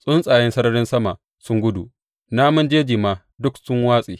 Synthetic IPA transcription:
sʼʊ˦nsʼaː˨jɛ˦nsɐ˦ɾɐ˦ɽɪ˦nsɐ˦ma˨ | sʊ˦ŋɡʷʊ˦dṵ˨ | naː˦mɐ˦nd͡ʒeː˦d͡ʒiː˨maː˨ | dʊ˦ksʊ˦ŋwaː˦sʼiː˨

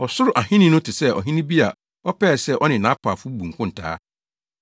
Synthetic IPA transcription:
ɔ˨sʊ˦ɾʊ˨ʔa˨hɪ̃˦nɪ̃˦nʊ̃˦tʰɪ˨sɛ˦˨ɔ̰˨ɦĩ˦nĩ˦bi˦a˨ | ɔ˦pʰɛː˦˨sɛ˦˨ʔɔ˦nɪ̃˨nã˨˦pʰa˨fʊ˦bũ˨ŋ̩˨kʰʊ̃˦n̩˨tʰa̰ː˦

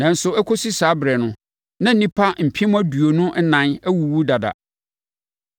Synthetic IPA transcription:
nã˨n̩˦sʊ˨ɛ˦kʰo˦si˦saː˨˦bɾɛ˨nʊ̃˦ | nã˦n̩˦nĩ˦pʰa˦m̩˨pʰĩ˦m˦æ˦du˨o˨nʊ̃˦ʔnã˨næ˦wu˨wu˦da˨da̰˨

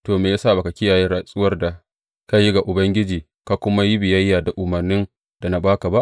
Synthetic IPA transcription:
toː˨meː˨jaː˦saː˦˨ba˨ka˨kʲɪ˦jaː˨jɛ˦ɾa˨sʼʊ˦wɐ˦rda˨ | ka˦ji˦ɡa˨ʔʊ˨bɐ˦ŋɡʲɪ˦d͡ʒiː˨ | ka˨˦kʷʊ˦ma˦ji˦bɪ˨jɐ˦jːaː˨da˨ʔʊ˨mɐ˨rnɪ˦n | d̥a˨na˨baː˦ka˨ba˦ʔ

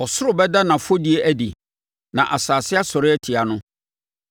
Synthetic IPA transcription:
ɔ˨sʊ˦ɾʊ˨bɛ˦da˦nã˨fo˦di˨˦e˦ʔæ˦dḭ˨ | nã̰˨ʔa˨saː˨sɪ˦a˦sɔ˨ɾɪ˦ɛ˦tʰɪ˨a˨nʊ̃˦

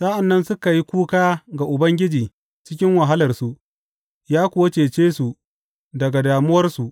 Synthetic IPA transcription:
sa˦ʔa˨nːɐ˦nsʊ˦ka˨ji˦kʷuː˦kaː˦ɡa˨ʔʊ˨bɐ˦ŋɡʲɪ˦d͡ʒiː˨ | t͡ʃɪ˦kʲɪ˦ŋwɐ˨ɦa˦lɐ˨rsu˨ʔ | jaː˦kʷʊ˨wɐ˦t͡ʃeː˨t͡ʃeː˦su˨ | dɐ˨ɡa˨daː˨mʊ˦wɐ˦rsu˨ʔ

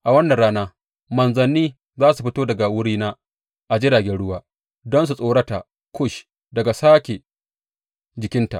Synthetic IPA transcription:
ʔa˨wɐ˦nːɐ˨nɽaː˦naː˦ | mɐ˨nzɐ˨nːiː˦ | zaː˦s̬u˨ɸɪ˦toː˦dɐ˨ɡa˨wʊ˦ɽiː˦naː˦ | ʔa˨d͡ʒɪ˦daː˨ɡʲɛ˦nɽʊ˦waː˦ | dɔ˦ns̬u˨sʼoː˦ɽɐ˦ta˨ | kʰʊ˦ʃ | dɐ˨ɡa˨saː˦kʲe˨ | d͡ʒɪ˨kʲɪ˦nta̰˨ʔ

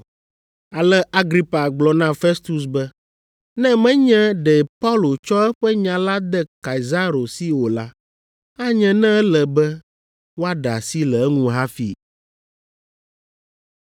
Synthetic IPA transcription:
a˨lɛ˦a˦ɡɾi˦pa˨ɡ͡blɔ˨nã˦fɛ˦st̪u˨s̬bɛ˦ | nɛ̃˦mɛ̃˦ɲɛ̃˦ɖɛ˨pa˦u˦lo˨t͡ʃɔ˦ɛ˦ɸɛ˦ɲã˨la˦d̪ɛ˦ka˨i˨za˦ɾo˨si˦wo˨la˦ | a˦ɲɛ̃˨nɛ̃˦ɛ˦lɛ˨bɛ˦ | wo˦a˦ɖa˨si˦lɛ˨ɛ˦ŋũ˦ɦa˦fi˨

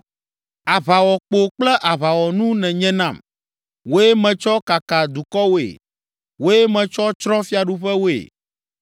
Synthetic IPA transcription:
a˨βa˨wɔ˨k͡po˨k͡plɛ˦ʔa˨βa˨wɔ˨nũ˦nɛ̃˨ɲɛ̃˦nã˦˨m | wo˦jɛ˦mɛ̃˨t͡ʃɔ˦ka˨ka˨d̪u˨kɔ˦wo˦ḛ˨ | wo˦jɛ˦mɛ̃˨t͡ʃɔ˦t͡ʃɾɔ̃˦fi˦a˨ɖu˦ɸɛ˦wo˦ḛ˨

